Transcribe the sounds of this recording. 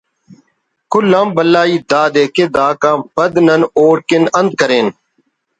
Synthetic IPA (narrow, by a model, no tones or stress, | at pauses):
kʊlːãːmbəlːaːiːd̪aːd̪eːked̪aːkãːmpəd̪nənoːɽkɪnənd̪̚kəɾeːn